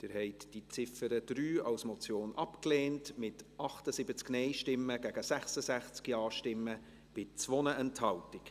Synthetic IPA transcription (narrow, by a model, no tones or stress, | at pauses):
d̥ɪɾhɛɪtd̥it͡sɪfəɾəd̥ɾyːɑwsmoɔt͡sjoːnʔɑpkleːntmɪtʔɑχtəsibət͡sknɛɪʃtɪmːəɡ̥æɡ̥əsæχsəsæχt͡skiɑːʃtɪmːə | b̥ɪt͡svonəɛnthɑltɪk